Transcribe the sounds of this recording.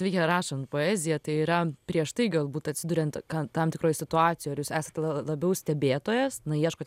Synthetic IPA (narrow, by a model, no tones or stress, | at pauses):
sʲʋʲɛɪkʲɛɾɑːʃɐnt̪poːɛːzʲɪjɛt̪ɐɪiɾɐpʲɾʲiɛʃt̪ɐɪɡʲɐlˠbuːt̪ɐtʲsʲɪd̪ʊɾʲɛnt̪kɐt̪ɐmt̪ʲɪkɾʔoːjsʲɪt̪ʊɑːt̪t͡ssʲɪjoːɐɾjuːsæːsɐt̪ˠɐlˠɐbʲɛʊsʲt̪ʲɛbʲeːt̪oːjɛsnɐjiɛʃkoːt̪ʲ